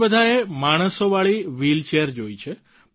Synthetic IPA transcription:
bəd̪ʱaɾemaɽ̃əsoʋaɭiʋilt͡ʃeəɾd͡ʒojt͡ʃʰe

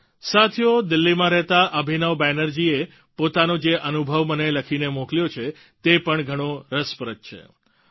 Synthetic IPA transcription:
sat̪ʰijod̪ɪlːimãɾɛɦt̪aʔəbʱinəʋbɛnəɾd͡ʒie | pot̪anod͡ʒeʔənubʱəʋməneləkʰinemoklijot͡ʃʰe | t̪epəɳɡʱəɽ̃oɾəspəɾət̪̚t͡ʃʰḛ

